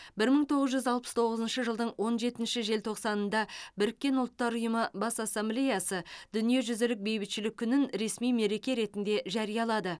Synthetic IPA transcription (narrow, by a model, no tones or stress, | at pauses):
bɪɾməɴt̪ʰo̞ʁəzʒʏzɑlˠpə̥st̪ʰo̞ʁəzənʃəʒəlˠd̪əɴwo̞nʒe̞t̪ɪnʃɪʒe̞lt̪ʰo̞qsɑnənd̪ɑbɪɾɪkʲːe̞nʊlˠət̪ːɑɾʊjəməbɑsɑsːemblʲejɑsəd̪̥ʏnije̞ʒʏzɪlɪk̚be̞jbɪt̪ʃɪlɪkʲʰːʏnɪnɾe̞smijme̞ɾe̞kʲe̞ɾe̞t̪ɪnd̪e̞ʒɑɾijɑlˠɑd̪ə